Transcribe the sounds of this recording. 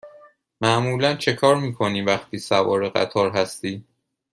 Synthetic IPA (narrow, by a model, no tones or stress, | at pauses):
mæʔmuːlænt͡ʃʰe̞kʰɒːɾmiːkʰo̞niːvæxt̪ʰiːsævɒ̰ːɾeɣæ̰t̪ʰɒːɾɦæst̪iː